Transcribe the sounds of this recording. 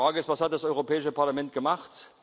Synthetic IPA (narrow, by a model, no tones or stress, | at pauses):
aːɡəɪstv̥ashat̚d̥asʔɔʏʁopʰɛːɪʃəpaɐlamɛnt̚ɡ̥əmaχt